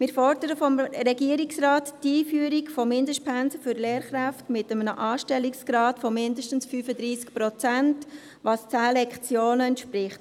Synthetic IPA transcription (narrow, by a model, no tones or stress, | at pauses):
mɪɾfɔɾd̥əɾəfɔmrɛɡiəɾiksrɑːttiːfyəɾikfɔmɪndəʃt̚pʰænsəfʏɾlɛːɾχɾæftmɪtəmənəʔɑːʃtɛliksɡ̥ɾɑːtfɔmɪndəʃtən̩sfyːfəd̪ɾiːskpɾɔt͡sænt | ʋɑst͡sæːlɛkχt͡sjoːnəɛntʃpɾɪχt